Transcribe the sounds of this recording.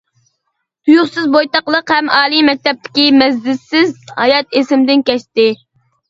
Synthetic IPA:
t̪ʰujuχsɨzbojt̪ɑqlˠəqhɛmɑːlˠimɛk̚ʲt̪ɛp̚t̪ʰɪ̥kʲimɛzdɪsːɪzhɑjɑt̪esɪmd̪ɪnkʲɛʃt̪ɪ

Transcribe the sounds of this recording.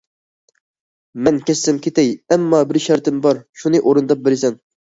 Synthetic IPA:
mɛnkʲɛsːɪmkʲʰet̪ɛjɛmːɑbɪɾʃɛɾt̪ʰɪmbɑɾʃunɨʔoɾɨnd̪ɑp̚bɪlsɛn

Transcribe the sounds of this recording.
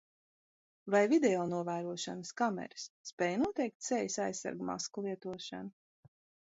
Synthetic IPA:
vajvid̪ɛɔːnuɔvæːɾuɔʃanɨskamɛ̰ɾɨsːpɛːjnuɔt̪ɛjk̚t̪sɛjsajsːa̰ɾɡma̰skulˠiɛt̪uɔʃa̰na

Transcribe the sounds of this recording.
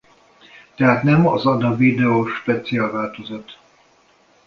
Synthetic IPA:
t̪ɛɦaːt̪nɛmɒzɒd̪ɒvid̪ɛoʃpɛt̪siaːlvaːlt̪ozɒt̪

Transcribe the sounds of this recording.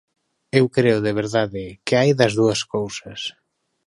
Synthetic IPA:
ewkɾeʊðeβ̞eɾðaðɪkɪajðɐzðuɐskowsɐs

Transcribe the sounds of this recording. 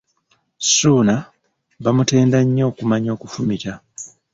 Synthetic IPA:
suːna | βamute̞ːndaɲːo̞ːkumaɲo̞ːkufumica

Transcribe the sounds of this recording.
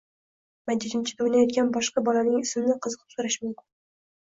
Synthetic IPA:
mad͡ʒːɪd̪ɪmt͡ʃʰɪd̪ownajɒd̪̚ɡʲanbɒʃqɑbɒlanɪŋɪsmɪnɪqʰɨzɨqʰɨ̥psʊɾaʃmʊmkʰʲʊn

